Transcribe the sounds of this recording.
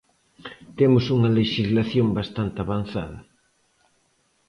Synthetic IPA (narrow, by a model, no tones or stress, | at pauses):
t̪emʊsuŋɐleʃizlaθjombast̪ant̪ɪaβan̟θa̰ðɐ